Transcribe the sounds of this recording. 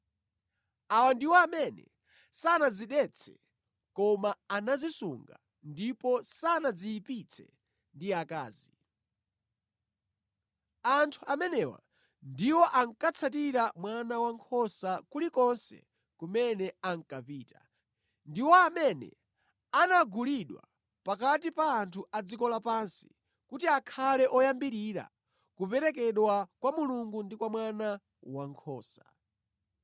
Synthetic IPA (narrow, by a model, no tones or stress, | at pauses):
awandiwaːmɛnɛ̰ | sanaziɗɛt͡sʰɛ̰ | kɔmaːnazisuŋɡa̰ | ndipɔsanad͡ziːpit͡sʰɛ | ndiaka̰ːzi | antʰuamɛnɛwa̰ | ndiwɔʔaŋkat͡sʰatiɾamwanawaŋkʰɔsakulikɔnsɛ̰ | kumɛnɛaŋ̩kapiːta̰ | ndiwɔamɛnɛ̰ | anaɡuliɗwa̰ | pakatipaːntʰuad͡zikɔlapansi̥ | kutiakʰalɛʔɔjambiɾiɾa̰ | kupɛɾɛkɛɗwakwamuluŋɡundikwamwana | waŋkʰɔ̰ːsa